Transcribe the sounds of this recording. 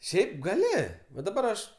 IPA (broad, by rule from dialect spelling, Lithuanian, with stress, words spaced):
ˈʃʲɛɪp ɡɐˈlʲɪ ʋɐ dɐˈbɐr ɐʃ